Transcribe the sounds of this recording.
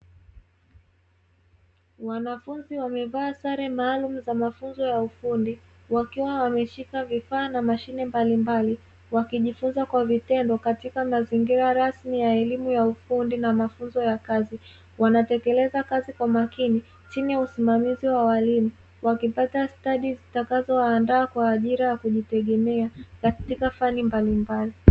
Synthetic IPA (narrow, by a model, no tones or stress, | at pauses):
wanafunziwamɛvaːsaɾɛmaːlumuzamafunzɔjaufundi | wakiwawamɛʃikavifaːnamaʃinɛmbalimbali | wakiʄifunzakwavitɛndɔkatikamaziŋɡiɾaɾasmijaɛlimujaufundinamafunzɔjakazi | wanatɛkɛlɛzakazikwamakini | t͡ʃinijausimamiziwawalini | wakipatastaɗizitakazɔːndaːkwaːʄiɾajakuʄitɛɠɛmɛakatikafanimbalimbali